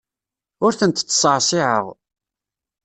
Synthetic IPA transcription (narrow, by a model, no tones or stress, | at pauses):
ʊɾθənt̪t͡sːsˤəʕsˤiʕə̰ʁ